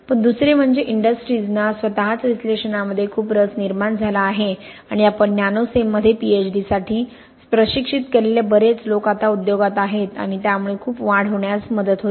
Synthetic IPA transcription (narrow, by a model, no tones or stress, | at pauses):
pəɳd̪usɾem̤əɳd͡zeʔiɳɖəsʈɾiːd͡znasʋət̪aɦat͡sɾisleʂənaməd̪ʱːjekʰuːpɾəsniɾmaɳd͡zʱalaːɦeaɽ̃iapəɳnjanosemːəd̪ʱːjepiet͡ɕɖisaʈʰiː | spɾəɕikʂit̪keɾleljabəɾet͡slokat̪aud̪joɡat̪aɦet̪a̰ɽ̃it̪jamuɭekʰuːpʋãɽ̤əʋɳjasməd̪ət̪ɦo